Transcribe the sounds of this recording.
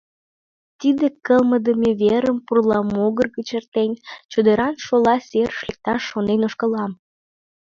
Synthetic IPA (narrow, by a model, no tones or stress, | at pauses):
t̪id̪ekəlməd̪əmʲeβeɾəmpurlɑmoɣərɣət͡ɕert̪enʲt͡ɕud̪eɾɑnʃolɑsʲeɾəʃlek̚t̪ɑʃːonenoʃkəlɑm